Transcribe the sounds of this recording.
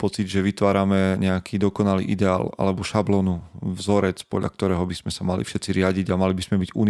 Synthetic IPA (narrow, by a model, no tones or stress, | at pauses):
pɔt͡sidʒɛʋit̪ʋaːɾamɛɲɛakʰiːd̪ɔkɔnalḭːʔid̪ɛa̰ːla̰lɛbɔʃablɔːnuvzɔɾɛt͡spɔ̰d̪ʎa̰k̚t̪ɔɾɛːɦɔbiz̥mɛsamalḭfʃɛt͡siɾɪaɟiɟamalibizmɛbiɟṵn